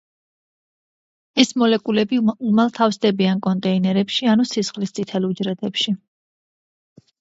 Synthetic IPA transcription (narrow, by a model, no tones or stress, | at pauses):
ɛsmɔlɛkʼulɛbiumalˠt̪ʰafsd̪ɛbiankʼɔnt̪ʼɛinɛɾɛpʃianusisχlist̪sʼit̪ʰɛlud͡ʒɾɛd̪ɛpʃi